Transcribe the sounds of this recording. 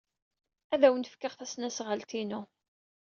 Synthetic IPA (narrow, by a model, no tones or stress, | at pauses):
æðæwənt̪əfkːəʁθæsnæsʁəlt̪inu